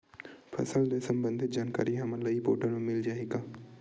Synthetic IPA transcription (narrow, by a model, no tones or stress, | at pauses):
pʰə̰səld̪esəmbə̃nd̪ʱɪt̪̚d͡ʒaːnka̰ːɾiɦamələipo̰ːʈənõːmɪld͡ʒaːɦikaː